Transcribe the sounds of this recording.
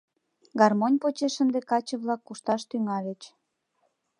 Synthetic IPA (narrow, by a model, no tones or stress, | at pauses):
ɡɑrmonʲpot͡ɕeʃənd̪ekɑt͡ɕəβlɑkːuʃt̪ɑʃt̪yŋɑlʲet͡ɕ